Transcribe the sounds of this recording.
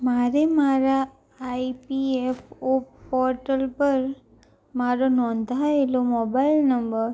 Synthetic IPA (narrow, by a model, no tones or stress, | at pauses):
maɾemaɾaː | ipiepʰopɔɾʈəlpəɾ | maɾonɔ̃nd̪ʱaelomobailnəmbəɾ